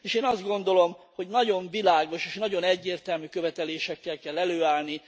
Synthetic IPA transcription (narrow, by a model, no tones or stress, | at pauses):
eːʃeːnɒzd̪ɡo̞nd̪o̞lo̞mho̞ɟnɒɟo̞ɱvilaːɡo̞ʃeːʃnɒɟo̞nɛɟːeːrt̪ɛlmykøvɛt̪ɛleːʃɛkːɛlkɛlːɛløːaːlni